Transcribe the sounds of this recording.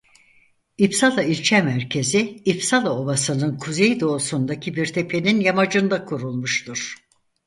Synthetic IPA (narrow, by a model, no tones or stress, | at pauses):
ipsalˠailʲt͡ʃʰɛmæɾcʰe̞ziifsalˠao̞basɯnɯnkʰuzejd̪o̞ːsund̪acʰibiɾt̪ʰe̞pʰe̞ninjamad͡ʒɯnd̪akʰuɾulˠmuʃt̪ʰuɾ̥